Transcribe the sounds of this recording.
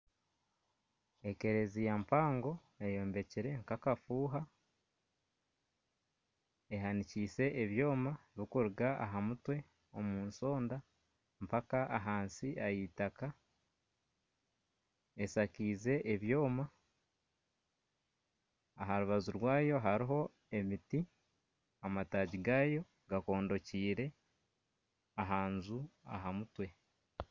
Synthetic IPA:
eke̞ɾe̞zijampaːŋɡo̞ | ejo̞ːmbe̞ciɾe̞ŋkakafuːɦa | e̞ɦaniciːse̞ʔːβjo̞ːmaβikuɾuɡaʔa̰ɦamutwe̞ | o̞muːnso̞ːnda | mpakaʔaɦaːnsiʔajitaka | esakiːze̞ʔːβjo̞ːma | ɦaɾuβazuɾwaːjo̞ɦaɾiɦo̞ | e̞miti | amataːɟiɡaːjo̞ | ɡako̞ːndo̞ciːɾe̞ | aɦaːnzua̰ɦamutwe̞

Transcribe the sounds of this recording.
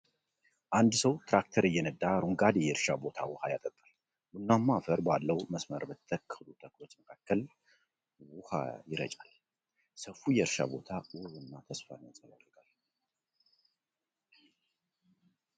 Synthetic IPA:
ʔand̪səwt̪ɾak̚t̪ʰəɾɨjːɛnəd̪ʼːaɾuŋɡad̪ejɛɾʃabo̞t̪ʰa̰wʊhajat̪ʼət̪ʼal | bunːamːafəɾbalːəwməsməɾbət̪ʰːəkʰːəlut̪ʰəkʰlo̞t͡ʃːməkʰakːəl | wʊha̰jɪɾə̰t͡ʃʼal | səfujɛɾʃa̰bo̞̰t̪ʰawʊhunːat̪ʰəsfansʼəlad̪ɾɡ̥al

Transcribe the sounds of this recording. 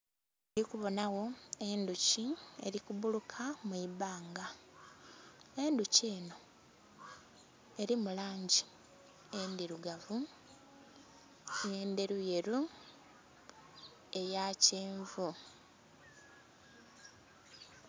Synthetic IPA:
ɾikuβo̞nawo̞e̞nduciḛɾikuβulukʰamuiβaːŋɡa | e̞nduce̞ːno̞ | e̞ɾimulaːɲɟi | endiɾuɡavu | je̞ːnde̞ɾuje̞ɾu | e̞jaceːɱvu

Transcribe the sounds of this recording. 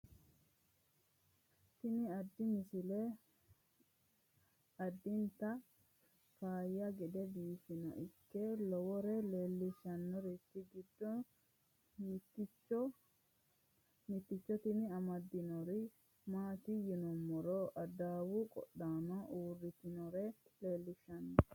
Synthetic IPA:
t̪ɪnɪɐd̪ːɪmɪsɪlɛ | ɐd̪ːɪnt̪ɐ | kaːjːɐɡɛd̪ɛbiːfɪnɐ̰ʔɪkːɛlɔwɔɾɛleːlːɪʃɐnːɔɾɛt̪ːɪɡɪd̪ːɔ | mɪt̪ːɪt͡ʃːɔ | mɪt̪ːɪt͡ʃːɔt̪ɪnɪɐmɐd̪ːɪnɔɾɪ | maːt̪ɪjɪnɔmːɔɾɔʔɐd̪aːwʊkʼɔ̰ɗaːnɐʔuːrːɪt̪ɪnɔɾɛle̞ːlːɪʃɐnːɔ

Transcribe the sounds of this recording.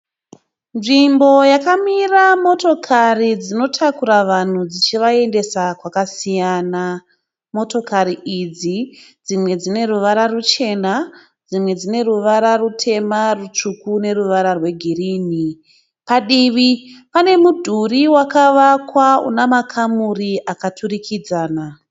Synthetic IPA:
nʐimbo̞jakamiramo̞to̞kʰarid͡zino̞tʰakuɾaʋan̤ud͡zit͡ʃiʋae̞nde̞sakwakasijaːna | mo̞to̞kaɾiʔid͡zid͡zimwe̞d͡zine̞ruʋaɾarut͡ʃe̞na | d͡zimwe̞d͡zine̞ruʋaɾarutʰe̞marut͡ʂukune̞ruʋaɾarwe̞ɡʱiriːni | paɗiʋipane̞mudʱuriwakaʋakwaṵnamakʰamuriʔakatʰurikʰid͡zaːna

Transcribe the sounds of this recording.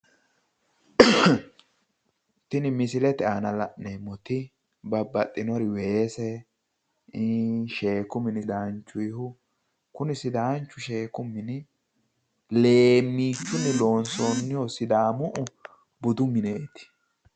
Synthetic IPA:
t̪ɪnɪmɪsɪlɛt̪ɛanɐlɐʔneːmɔt̪ɪ | bɐbːɐt̪ʼːɪnɔɾɪweːsɛ | ʃe̞ːkʊmɪnɪd̪aːnt͡ʃːʊjhʊ | kʊnɪsɪd̪aːnt͡ʃːʊʃeːkʊmːɪnɪ | le̞ːmːiːt͡ʃːʊnːɪlo̞ːnsonːɪjɔsɪd̪aːmʊʔʊ | bʊd̪ʊmɪneːt̪ɪ̥

